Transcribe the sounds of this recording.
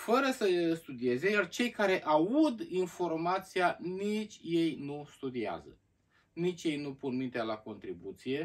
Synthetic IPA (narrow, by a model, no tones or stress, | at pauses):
fəɾəsəst̪ud̪ie̞ze̞jart͡ʃe̞jkaɾe̞ʔaud̪info̞rmat̪sianit͡ʃʲje̞jnust̪ud̪ia̰zə̰ | nit͡ʃʲje̞jnupunmint̪ealako̞nt̪ɾibut̪sije̞